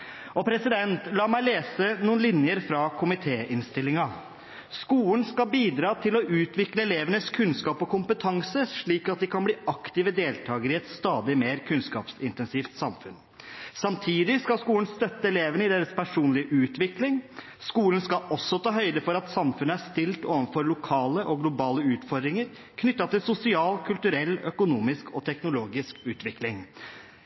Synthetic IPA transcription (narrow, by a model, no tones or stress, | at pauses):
ɔpʰɾɛsɪd̪ɛnt̪lɑːmæɪleːsənuːnlɪnjəɾfɾɑkʰʊmɪt̪ʰeːʔɪnst̪ɪlːɪŋɑ | skuːln̩skɑbiːd̪ɾɑːt̪ʰɪlɔʔʉːt̪ʋɪkləɛleːʋənəskʰʉnskɑːpɔkʊmpət̪ʰɑŋsəʂɭiːkɑt̪̚d̪ɛkɑnbliːɑkt̪ɪʋəd̪eːlt̪ʰɑːɡəɾɪɛt̪st̪ɑːd̪ɪmeːɾkʰʉnskɑ̰ːpsɪnt̪ɛnsɪft̪sɑmfʉn | sɑmt̪ʰiːd̪ɪskɑlskuːln̩st̪œt̪ːəɛleːʋənɪd̪eːɾəspʰæʂuːnlɪəʔʉːt̪ʋɪklɪŋ | skuːlən̩skɑɔsːɔt̪ʰɑːɦœʏd̪əfɔɾɑt̪sɑmfʉnːəæst̪ɪlt̪oːʋənfɔɾlʊkʰɑːləʔɔɡlʊbɑːləʉːt̪fɔɾd̪ɾɪŋəɾ | kʰnʏt̪ːɑt̪ɪlsʊsɪɑːlkʰʉlt̪ʉɾɛlːœkʊnuːmɪskʰɔt̪ʰɛknʊloːɡɪskʉːt̪ʋɪklɪŋ